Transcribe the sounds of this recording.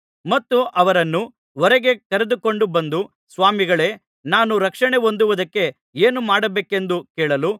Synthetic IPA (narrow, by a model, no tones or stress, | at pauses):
mɐt̪ːuʔɐʋɐɾɐnːu | ɔɾɛɡe̞kɐɾed̪uko̞ɳɖubɐnd̪u | sʋaːmiɡɐɭe̞ː | naːnuɾɐkʂɐɳe̞o̞nd̪uʋud̪ɐkːe̞ | eːnumaːɽɐbeːke̞nd̪ukɛːɭɐlu